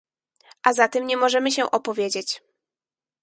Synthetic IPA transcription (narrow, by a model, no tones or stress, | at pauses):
ʔazat̪ɛmɲɛmɔʐɛmɘɕɛʔɔpɔvʲjed͡ʑet͡ɕ